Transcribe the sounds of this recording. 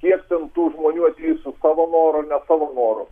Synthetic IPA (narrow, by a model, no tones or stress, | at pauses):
kʲiɛkt̪ʲɛnt̪uːʒmoːnʲuːɐt̪ʲɛːjsʊsɑːʋonoːɾʊnʲɛsɑːʋɐnoːɾʊ̰